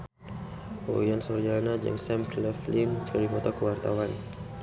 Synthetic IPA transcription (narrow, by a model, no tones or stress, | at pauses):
ʔo̰jansɔrd͡ʒalanad͡ʒɛ̰ŋsɛmklɛflint͡ʃalimɔt̪ɔkəwart̪awan